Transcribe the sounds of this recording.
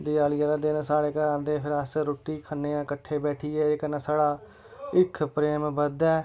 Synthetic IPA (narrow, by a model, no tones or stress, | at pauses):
d̪ɪjaːlɪjaːlad̪eːnsaːɽeːkəɾãːnd̪eːpʰɪɾəsɾoːʈːiːkʰənːeːãːkəʈʰːeːbɛːʈʰiːɛːekənãːsaːɽaː | ɪkʰpɾeːmbəd̪ɛː